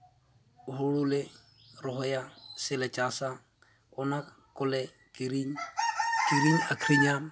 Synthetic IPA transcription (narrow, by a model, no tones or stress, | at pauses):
hʊɺʊlɪ | rʊɦɔjasɪlɛt͡ʃʼasa | ʊna | kʼʊlɛ | kʼiɾiɲ | kʼiɾiɲakʰriɲa